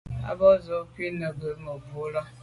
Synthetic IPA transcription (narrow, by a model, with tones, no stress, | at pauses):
a̰˦bɔ˦zɔ˦ki˦nə˨ɡə˨˦mə˨vo˨˦la˦